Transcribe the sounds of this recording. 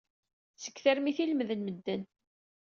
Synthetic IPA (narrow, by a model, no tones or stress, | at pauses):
sə̥kːθæɾmiθilmðənməd̪ːən